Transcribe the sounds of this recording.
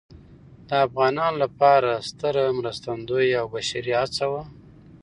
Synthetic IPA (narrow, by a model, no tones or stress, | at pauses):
d̪əafɣɑnɑnlapɑɾast̪əɾmɾast̪and̪ojawbaʃaɾiat͡sawa